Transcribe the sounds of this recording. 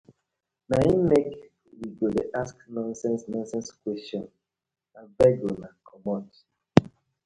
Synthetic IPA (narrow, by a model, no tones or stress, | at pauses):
naĩmɛk | wiɡodeʔasknɔ̃nsɛ̃nsnɔ̃nsɛ̃nskwɛstɔ̃n | ãvɛɡonakʰɔmɔt